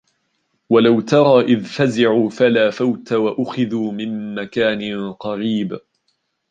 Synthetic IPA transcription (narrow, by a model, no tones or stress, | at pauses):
walawt̪ɑɾˤɑːʔɪðfazɪʕuːfalaːfawt̪awaʔʊxɪðuːmɪmːakaːnɪqɑɾiːb